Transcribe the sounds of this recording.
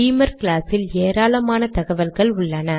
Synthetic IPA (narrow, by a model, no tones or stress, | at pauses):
iːmɐɾkɭaːsɪleːɾaːlɐmaːnɐt̪ɐɣɐʋɐlɣɐɭʊɭːɐnɐ